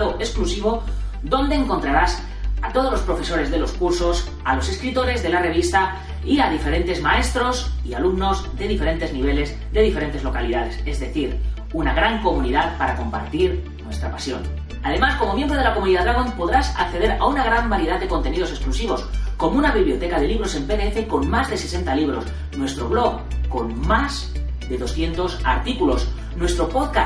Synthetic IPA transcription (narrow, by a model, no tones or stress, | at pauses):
oʔe̞sklusiβ̞o̞ | ðo̞nd̪e̞ːŋko̞nt̪ɾaɾas | at̪o̞ð̞o̞zlo̞spɾo̞fe̞so̞ɾe̞zðe̞lo̞skuɾso̞s | alo̞se̞skɾit̪o̞ɾe̞zðe̞lare̞βist̪a | iaðife̞ɾe̞nt̪e̞zmae̞st̪ɾo̞sialumno̞zðe̞ðife̞ɾe̞nt̪e̞zniβ̞e̞le̞z | ðe̞ðifeɾe̞nt̪e̞zlo̞kaliðaðe̞se̞zðe̞θiɾ | unaɣ̞ɾaŋko̞muniðaðpaɾako̞mpa̰ɾt̪iɾ | nwe̞st̪ɾapasjo̞̰n | aðe̞masko̞mo̞mje̞mbɾo̞ð̞e̞lako̞mũniðaðɾaɣ̞o̞mpo̞ðɾasa̰kθe̞ð̞e̞ɾaunaɣ̞ɾambaɾjeðaðd̪e̞kont̪enið̞o̞se̞sklusiβ̞o̞sko̞mounaβiβlijot̪e̞kaðe̞liβɾo̞se̞mpeðeefe̞ko̞nmazðe̞se̞se̞nt̪aliβ̞ɾo̞s | nwe̞st̪ɾo̞βlo̞ɣko̞nmaz | ðe̞ðo̞sθje̞nt̪o̞sa̰ɾt̪ikulo̞s | nwe̞st̪ɾo̞po̞ðka